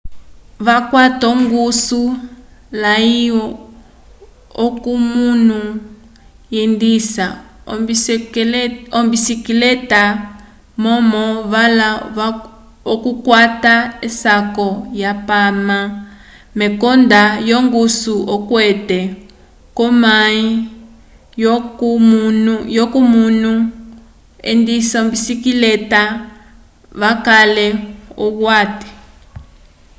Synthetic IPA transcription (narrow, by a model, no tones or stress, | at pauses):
vakwatɔŋɡusulaiɔ | ɔkumunu | jindisa | ɔmbisikilɛta | mɔmɔvala | ɔkukwataɛsakɔjapama | mɛkɔndajɔŋɡusuɔkwɛtɛ | kɔmai | nujɔkumunu | ɛ̰ndisɔmbisikilɛta | βakalɛɔɣwatɛ̥